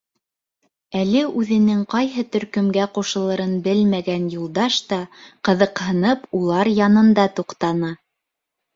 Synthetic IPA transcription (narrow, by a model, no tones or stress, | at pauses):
ælɘʔʉðɘ̆nɘŋqɑjɦɤt̪ɵ̆ɾkɵ̆mɡæquʃɤ̆lˠɤ̆ɾɤnbɘlmæɡænjulˠd̪ɑʃt̪ɑqɤ̆ðɤ̆qhɤ̆nɤpulˠɑɾjɑnɤ̆nd̪ɑt̪uqt̪ɑnɑ